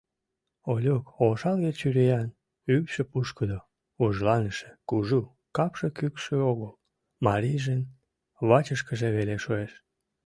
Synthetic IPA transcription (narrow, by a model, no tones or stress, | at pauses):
olʲokoʃɑlɣet͡ɕyɾejɑn | ypʃepuʃkəd̪o | uʒlɑnəʃe̥kuʒu | kɑpʃekykʃøoɣəl | mɑɾijʒen | βɑt͡ɕəʃkəʒeβeleʃoeʃ